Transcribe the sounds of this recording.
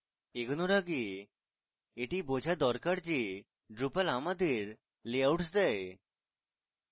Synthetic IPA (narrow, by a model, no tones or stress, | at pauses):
eɡɔnoɾaɡe | eʈibod͡ʑʱad̪ɔɾkaɾd͡ʒe | ɖɾupalamad̪eɾ | leawʈsd̪ɛe